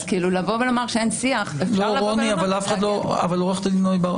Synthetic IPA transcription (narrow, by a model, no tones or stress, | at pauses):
kiilulavo̞velomaʁʃeensiaχefloʁoniavalafe̥χad̪loa̰valoʁeχt̪linojba